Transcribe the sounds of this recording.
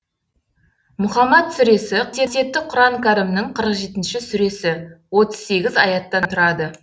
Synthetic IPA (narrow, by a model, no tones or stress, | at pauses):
mʊχɑmɑt̪sʏɾe̞sɪt̪ʰet̪e̞p̚t̪ːɪqʰʊɾɑɴkʲʰaɾɪmnəɴqʰəɾəqʒe̞t̪ɪnʃɪsʏɾe̞sɪwo̞t̪ə̥z̥se̞ɡʲɪzɑ̰jɑt̪ːɑnt̪ʰʊɾɑd̪ə